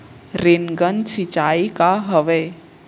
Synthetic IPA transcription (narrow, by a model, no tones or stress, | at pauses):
ɾenɡənsit͡ʃaːikaɦəʋe